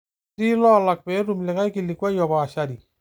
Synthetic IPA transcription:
ti˦lɔ˦la˨k̚pɛ˨˦ɾu˨mlɛ˨ka˦jki˨li˨kwa˦jɔ˨ba˨ʃa˦di˨

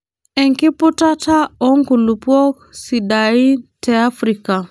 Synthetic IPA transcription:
ɛ˨ŋki˦pu˦ta˦ta˦ɔ˦ŋku˨lu˨pwɔ˦k̚si˨da˨i˦tʰɛa˦fɾi˨ka˨

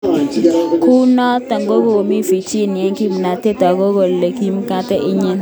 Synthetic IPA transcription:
ku˦nɔ˦ta˨ŋɡo˦ɡo˦o˨mi˦fi˨t͡ʃi˦˨n˨ɛ˨˦ŋki˦m˨na˨te˦ta˨ɡo˦ɡo˨le˨ki˦m˦ka˦tɛ˦ʔɪ˦ɲi˦n

